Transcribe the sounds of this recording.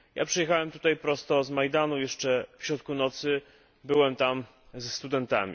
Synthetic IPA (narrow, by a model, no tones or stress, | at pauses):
ja̰pʂɛjɛxawɛmt̪u̥t̪ajpɾɔst̪ɔzmajd̪anujɛʂt͡ʂɛfɕɾɔt̪̚kunɔt̪sɘ | bɘwɛmt̪am | zɛst̪ud̪ɛnt̪a̰mʲḭ